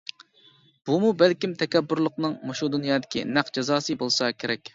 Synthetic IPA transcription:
b̥umubælkʲimt̪ʰɛkʲɛbːʊɾlˠʊqnɨŋmoʃud̪unjɑːd̪ɪkʲḭnæqd͡ʒɛzɑːsɨbolˠsɑkʲʰeɾɛkʲ

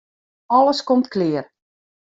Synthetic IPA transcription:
ɔləskɔmtklɪər

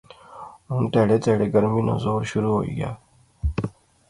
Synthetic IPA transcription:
muntaɽet͡saɽeɡəɾmino̰zoɾɕuɾuɦoḭɡʲja̰

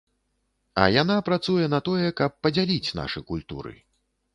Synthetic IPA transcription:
ɐ̰jan̪apɾat̪sujɛn̪ɐt̪ɔjɛkɐpːɐd͡zʲalʲit͡sʲna̰ʂɨ̰jkulʲt̪ṵɾɨ̰

